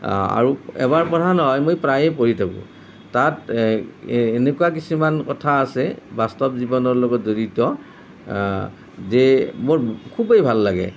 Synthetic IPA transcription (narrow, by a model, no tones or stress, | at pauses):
a̰ɹuɛ̰baɹpɔtanɔɦɔjmojpɹajɛpoɹitʰakṵ̃ | tat | nekuak̬isumankɔtʰaːsɛbastɔpzibɔnɔɹlɔɡɔtzoɹitɔ | zɛmoɹkʰubejbʱalːaɡɛ̰